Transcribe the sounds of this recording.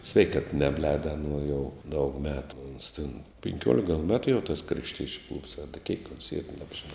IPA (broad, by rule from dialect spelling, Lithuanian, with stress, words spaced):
ˈsʲʋʲɛɪkɐt ˈnʲæːbʲˌlʲɛːdɐ ɐˈnuɔ jɛʊ dɐʊk ˈmʲæːtʊ oːns tʲɪn pʲɪŋʲˈkʲuɔlʲɪk ɡɐlˠ ˈmʲæːtʊ jɛʊ tɐs krɐʃʲˈtʲiɛt͡ʃʲʊ klˠʊps ɐ dɐ kʲiɛk oːns iːr ˈnɑːbʲʒʲɪˌnɐʊ